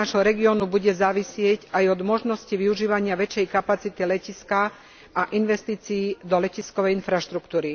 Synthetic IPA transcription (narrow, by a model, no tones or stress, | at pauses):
aʒɦɔɾɛɡiɔːnubuɟɛzaːʋisɪɛɟajɔd̪mɔʒnɔsciʋiuʒiːʋaɲɪaʋɛt͡ʃːɛjkapat͡sit̪ilɛciska | ʔaʔinʋɛst̪iːt͡siːd̪ɔlɛciskɔʋɛjinfɾaʃt̪ɾukt̪uːɾi